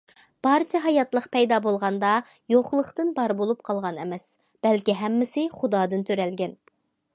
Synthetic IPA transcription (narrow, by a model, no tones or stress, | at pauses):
b̥ɑɾt͡ʃʰɛɦɑjɑt̪lˠəqpɛjd̪ɑbolˠʁɑnd̪ɑ | joχlˠəχt̪ɨnbɑɾbolˠup̚qʰɑlˠʁɑnɛmɛs | b̥ɛlkʲiɦɛmːɪsɪχʊd̪ɑːd̪ɨnt̪ʰøɾɛlɡʲɛn